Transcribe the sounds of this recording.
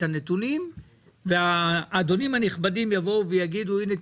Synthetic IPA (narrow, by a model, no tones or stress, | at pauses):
anetunim | veaːd̪o̞nimaniχbadimjavo̞uvejaɡid̪uine